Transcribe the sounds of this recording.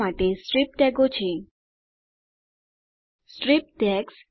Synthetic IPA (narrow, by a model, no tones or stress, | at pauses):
aʈesʈɾip̚ʈɛɡot͡ɕʰe | sʈɾip̚tʈɛks